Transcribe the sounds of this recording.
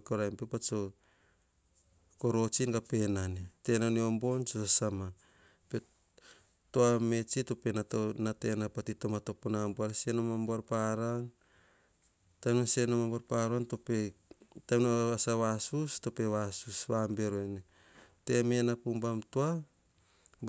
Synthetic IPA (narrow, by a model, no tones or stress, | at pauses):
koɾajmpepat͡ʃo | ko̞ɾo̞t͡ʃinɡape̞nanete̞naniombo̞nt͡ʃosasama | pe | toame̞t͡ʃitope̞naonate̞napatitomatoponamboanasienomambaɾpaɾan | tanonsenomambaɾpaɾanto̞petanoasaβasusto̞pe̞βasusβambe̞ɾoene | te̞me̞napumbamtoa